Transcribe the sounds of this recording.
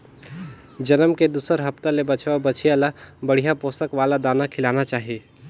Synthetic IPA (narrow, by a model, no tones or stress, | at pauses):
d͡ʒənəmked̪uːsəɾɦəpt̪alebət͡ʃʋabət͡ʃʰijalabəɽ̤ijapoːsəkʋaːlad̪aːnakʰɪlaːnat͡ʃaːɦie